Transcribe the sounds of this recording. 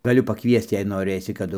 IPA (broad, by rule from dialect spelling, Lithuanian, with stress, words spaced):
ɡɐˈlʲʊ pɐˈkʋʲiɛst͡s jɛɪ noːˈrɘsʲɪ kɐˈdʊ